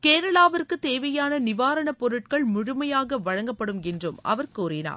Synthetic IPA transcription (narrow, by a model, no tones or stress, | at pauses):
keːɾɐɭaːʋɐɾkɯt̪ːeːʋɐjaːnɐnɪʋaːɾɐɳɐpːɔɾɯʈ̚kɐɭmʊɻʊmɐjaːɣɐʋɐɻɐŋɡɐpːɐɽɯmɛndrɯmʔɐ̰ʋɐɾkuːrɪna̰ːɾ